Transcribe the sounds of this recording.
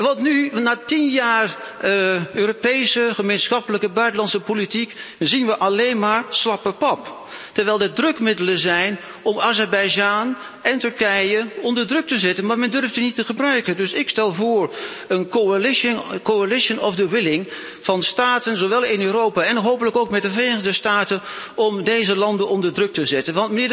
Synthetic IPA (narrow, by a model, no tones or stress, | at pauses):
ʋɑtnynaːtinjaːr | øːropejsəχəmensχɑpələkəbœɥtənlɑntsəpolitikzinʋəʔɑlejnmaːɹslɑpəpɑp | təɹʋɛjlˠdədrɵkmɪdələzɛjn | ʔɔmazɛɹbɛjd͡ʒaːn | ʔɛntɵɹkɛjəɔndəɹdrɵk̚təzɛtənmaːɹmɛndɵrftənitəχəbrœɥkəndɵsɪkstɛlˠvʊːɹ | əno | koalɪʃənɔfdəwɪlɪŋ | v̥ɑnstaːtənzoʋɛlˠɪnøːɾowpaːɛnɦoːwpələkowkmɛt̚dəvrejnəəndəstaːtənɔmdejzəlɑndənɔndəɹdrɵk̚təzɛtənʋɑntmənɪːɹ